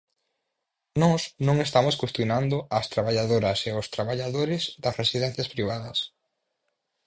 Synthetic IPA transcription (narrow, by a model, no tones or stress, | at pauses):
nɔsnõŋest̪amoskwest̪jonãnd̪ʊɐst̪ɾaβaʎaðoɾɐseʊst̪ɾaβaʎaðoɾɪzðɐsresiðɛn̟θjɐspɾiβ̞aðɐs